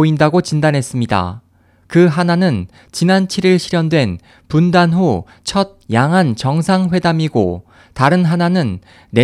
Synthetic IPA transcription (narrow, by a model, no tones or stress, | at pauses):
oindaɡot͡ɕindanɦe̞s͈ɯmɲida̰ | kɯɦananɯn | t͡ɕinant͡ɕʰiɾiɭɕʰiɾjʌndwe̞n | pundanɦu | t͡ɕʰʌd̚jaŋɦant͡ɕʌŋsʰaŋɸwe̞damiɡo | taɾɯnɦananɯnː | e̞